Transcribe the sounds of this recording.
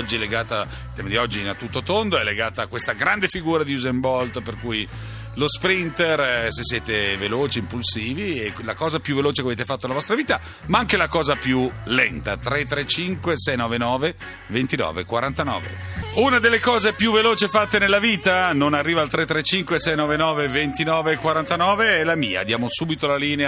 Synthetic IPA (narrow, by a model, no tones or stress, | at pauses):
ɔd͡ʒːiɛleɡaːt̪a | ilt̪ːɛːmad̪iɔd͡ʒːiːnat̪ːut̪ːot̪ond̪oɛlːeɡaːt̪akːwest̪aɡɾand̪efiɡuːɾad̪iuzembɔld̪perkuːj | lospɾint̪ersesːjɛːt̪eveloːt͡ʃiːmpulsiːvielakɔːzapjuveloːt͡ʃekaveːt̪efat̪ːonlavɔst̪ɾaviːt̪a | maaŋkelakɔːzapjulɛnt̪a̰t̪ɾet̪ːɾet͡ʃiŋkwesɛjnɔːvenɔːve | vent̪inɔ̰ːvḛkwaɾant̪anɔ̰ːvḛunad̪elːekɔːzepjuvːeloːt͡ʃefat̪ːenelːaviːt̪anonarːiːvaːlt̪ɾet̪ːɾet͡ʃiŋkwesɛjnɔːvenɔːvevent̪inɔːvekwaɾant̪anɔːveɛlamiːa̰d̪jaːmosuːbit̪olaliːnea